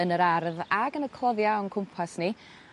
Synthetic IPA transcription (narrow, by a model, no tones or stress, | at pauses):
ənəɾarðaɡənəkʰl̥ˠɔðjawnkʰʊmpʰasni